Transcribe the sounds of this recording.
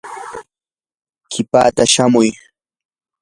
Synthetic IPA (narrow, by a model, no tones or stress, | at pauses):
kʰɪpa̰ːt̪aʃamʊj